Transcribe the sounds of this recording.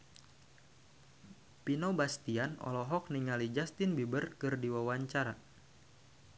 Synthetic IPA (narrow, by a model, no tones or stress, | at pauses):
pinobast̪ianɔ̰lɔɦɔk̚niŋalid͡ʒast̪ɪnbibərkɨrdiwawaɲt͡ʃaɾa